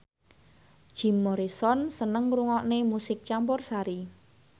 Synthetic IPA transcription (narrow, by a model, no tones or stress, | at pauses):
ʒ̥i̤mːɔɾisɔnsənəŋruŋɔʔnemusɪk̚t͡ʃampɔrsaɾi